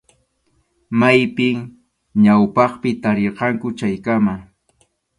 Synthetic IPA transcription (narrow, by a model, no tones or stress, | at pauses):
majpɪŋ | ɲawpɑχpɪt̪aɾeɾqɑŋkʊt͡ʃajkama